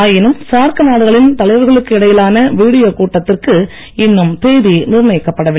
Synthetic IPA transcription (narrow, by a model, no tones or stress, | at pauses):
aːjɪnɯmsaːɾkɯnaːɽɯɣɐɭɪnt̪ɐɭɐɪʋɐɾɣɐɭɯkːɯɪɽɐjɪlaːnɐʋiːɽɪjoːkuːʈːɐt̪ːɪrkɯ | ɪnːɯmt̪eːðinɪɾɯnɐɪkːɐpːɐɽɐʋɪ